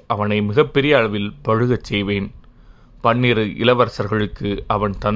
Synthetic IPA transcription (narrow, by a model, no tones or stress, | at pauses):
ʔɐʋɐnɐɪmɪɣɐpːɛɾɪjɐɐɭɐʋɪlpɔɻɯɣɐt͡ʃːɛjʋeːn | pɐɳːiɾɯʔɪlɐʋɐɾsɐɾɣɐɭɯkːɯʔɐʋɐnt̪ɐn